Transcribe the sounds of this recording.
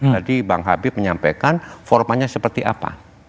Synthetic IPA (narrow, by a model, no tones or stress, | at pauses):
d͡ʒadibaŋɦa̰bɪməɲampakanfɔrmaɲasəpərt̪iʔa̰pa̰